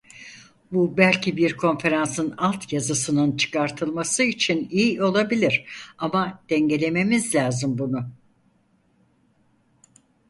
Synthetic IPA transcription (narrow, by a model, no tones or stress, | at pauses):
bubælʲcibiɾkʰo̞nfe̞ɾansɯnalˠt̪ʰjazɯsɯnɯnt͡ʃʰɯ̥kʰaɾt̪ʰɯlˠmasɯit͡ʃʰinijo̞lˠabilʲiɾ̥amad̪̥ɛɲɟe̞lʲe̞me̞mizlʲaːzɯmbunʊ